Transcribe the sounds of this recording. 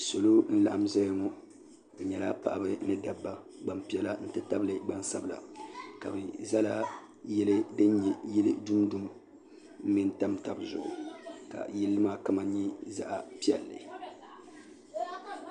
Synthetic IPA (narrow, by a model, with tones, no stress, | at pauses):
so˨lo˦n̩˦la˨ʔa˦m˦zɛ˦jŋɔ˦ | bɨ˨ɲɛ˨la˦pa̰˦˨ʔa˨bɨ˦nɨ˦da˨bːa˦ | ɡ͡ba˨mpi˦ɛ˦la˦n̩˦tɨ˦ta˦bɨ˦lɨ˨ɡ͡ba˦nsa˦bɨ˨la̰˨ka˨bɨ˨za˦la˦ | jɛ˦lɨ˦dɨ˦ɲɲɛ˨jɛ˦lɨ˦du˦m˦du˦m˦ | m̩˦mi˦n˦ta˦mta˨bzʊ̰˨ʔʊ̰˨ka̰˨jɛ˦lːɨ˦maː˦ka˦ma˨˦ɲi˦za̰˦ʔa˨pi˦ɛ˨lːɨ̰˨